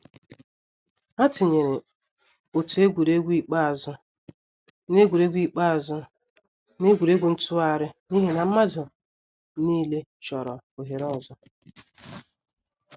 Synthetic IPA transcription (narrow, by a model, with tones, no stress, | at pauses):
a˦tɪ˨ɲe˨ɾe˨ | o˨tu˨e˦ɡʷu˨ɾe˦ɡʷi˦˨k͡pa˦a˨zʊ˦ | ne˦ɡʷu˨ɾe˦ɡʷi˦k͡pa˦a˨zʊ˦ | ne˦ɡʷu˨ɾe˦ɡʷu˨˦n̩˦tʊ˦a˦˨ɾɪ˦ni˦ɦi˦na˨m̩˦ma˦dʊ˨ | niː˦le˦t͡ʃɔ˨ɾɔ˨o˨ɦe˨ɾɔ˦˨zɔ˦